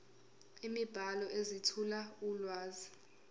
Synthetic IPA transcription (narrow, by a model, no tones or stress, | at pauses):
imib̥ʱalɔʔezitʰulaulwaːzi